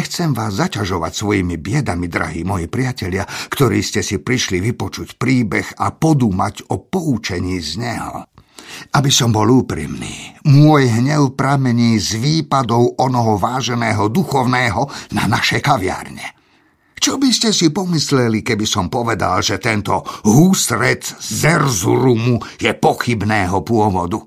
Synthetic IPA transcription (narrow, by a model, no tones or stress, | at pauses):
ɲɛxt͡sɛmʋaːzːacaʒɔʋa̰csʋɔjimibɪɛd̪amid̪ɾa̰ɦiːmɔjipɾɪacɛʎɪakt̪ɔɾiːscɛsipɾiʃliʋipɔt͡ʃucpɾiːbɛxapɔd̪uːmaɟɔpɔut͡ʃɛɲiːzɲɛɦɔ̰ | abisɔmbɔluːpɾḭmnḭːmʊɔjɦɲɛʊpɾamɛɲiːzʋiːpad̪ɔʊʔɔnɔɦɔʋaːʒɛnɛːɦɔd̪uxɔʊnɛːɦɔna̰naʃɛkaʋɪa̰rɲɛ | t͡ʃɔbiscɛsipɔmislɛlikɛbisɔmpɔʋɛd̪a̰lʒɛt̪ɛnt̪ɔɦuːst̪ɾɛt̪zɛrzuɾumujɛpɔxibnɛːɦɔpʊɔʋɔd̪u